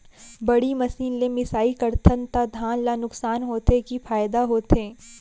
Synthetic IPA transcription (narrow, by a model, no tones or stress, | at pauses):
bɐɽimɐsiːnlẽmɪsaːikɐɾt̪ʰənt̪ad̪ʱaːnlanʊksaːnɦoːt̪ekifaːjd̪aɦoːt̪ẽː